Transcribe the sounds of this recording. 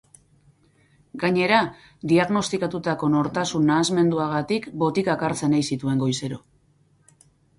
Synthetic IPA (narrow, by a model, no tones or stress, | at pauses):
ɡaɲe̞ɾa | d̪iaɣno̞st̪ikat̪ut̪ako̞no̞ɾt̪asunːaːzme̞nd̪uaɣ̞at̪ikbo̞t̪ikakaɾt͡se̞najsit̪ue̞ŋɡo̞jse̞ɾo̞